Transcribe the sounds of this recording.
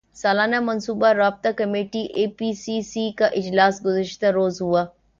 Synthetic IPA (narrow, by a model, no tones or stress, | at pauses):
saːlaːnamɐnsuːbaɾaːb̚t̪akɐmeːʈiʔeːpisisikaʔɪd͡ʒlaːsɡʊzəʃt̪aɾoːzɦuaː